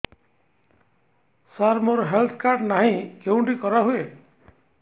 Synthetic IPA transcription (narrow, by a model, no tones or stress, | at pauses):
saɾmoɾɦelt̪ʰkaɾɖnaɦĩkeũɳʈikɔɾaɦue